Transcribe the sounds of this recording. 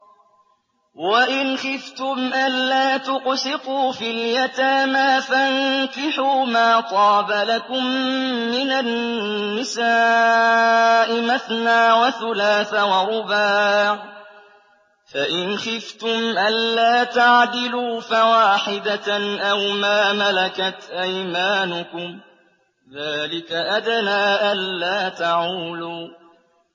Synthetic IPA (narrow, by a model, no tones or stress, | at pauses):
waʔɪnxɪft̪ʊmʔanːaːt̪ʊqsɪquːfiljat̪aːmaːfaŋkɪħuːmaːt̪ˤɑːbalakʊmːɪnanːɪsaː | ʔɪmaθnaːwaθʊlaːθawɑɾʊbaːʕ | faʔɪnxɪft̪ʊmʔanːaːt̪aʕd̪ɪluːfawaːħɪd̪aʔawmaːmalakat̪ʔajmaːnʊkʊm | ðaːlɪkaʔad̪naːʔanlaːt̪aʕuːluː